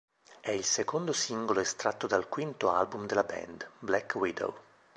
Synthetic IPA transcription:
ɛilsekond̪osiŋɡoloest̪ɾat̪ːod̪alkwint̪oa̰lbumd̪elabɛ̰nd̪blɛkwid̪o̰w

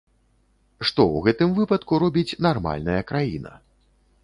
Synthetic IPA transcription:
ʂt̪ɔwɣɛt̪ɨmvɨpɐt̪kuɾɔbʲit͡sʲnarma̰lʲnɐjɐkɾajinɐ̰

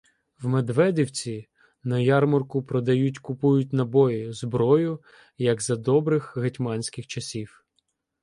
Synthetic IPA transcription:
wmed̪ʋɛdʲiwt͡sʲi | nɐjɑrmɔrkʊpɾɔd̪ɐjutʲkʊpujʊtʲnɐbɔjɪzbɾɔjʊ | jɐɡzɐd̪ɔbɾɪxɦetʲmɑnʲsʲkɪxt͡ʃɐsʲiw

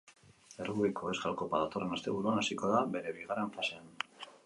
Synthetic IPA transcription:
erɣuikʰoesɡalko̞paðat̪o̞re̞nast̪e̞βuɾuanasiko̞ðaβe̞ɾe̞βiɣare̞ɱfase̞an

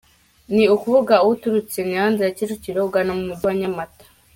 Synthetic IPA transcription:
niukuβuɡauwutuɾut͡senihaːndiɾacit͡ʃuciɾouɡanamumuduwaɲamatḁ

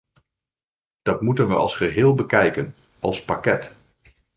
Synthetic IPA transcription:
d̥ɑtmutənʋəʔɑ̰lˠsχəɦɪːlˠbəkɛjkən | ʔɑlˠspakɛt

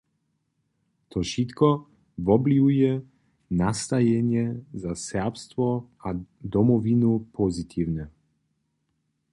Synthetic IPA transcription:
t̪ʰoʃit̪kɔ | vɔbliujɛ | nast̪ajɛnɛzasɛpst̪vɔad̪ɔmɔvinupʰɔzit̪ʰivnɛ

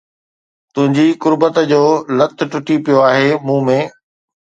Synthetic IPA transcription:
t̪ʊ̃ɦɪ̃ɲd͡ʑikʊɾbət̪d͡ʑoːlɐt̪ʰʊ̆ʈʊʈipijoaːɦemũːmẽː

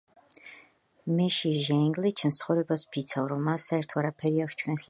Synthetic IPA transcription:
mɛʃiʒɛ̃ŋɡlit͡ʃʰnt̪sʰχɔwɾɛbaspʰit̪sʰavɾɔmːasaɛɾt̪ʰɔaɾapʰɛɾiakʃt͡ʃʰwɛns

